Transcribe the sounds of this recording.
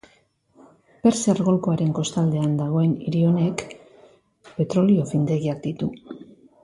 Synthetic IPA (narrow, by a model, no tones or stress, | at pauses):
pe̞ɾseaɾɣo̞lko̞aɾe̞ŋko̞st̪ald̪e̞and̪aɣ̞o̞e̞niɾio̞ne̞k | pe̞t̪ɾo̞lio̞find̪e̞ɣiak̚d̪̥it̪u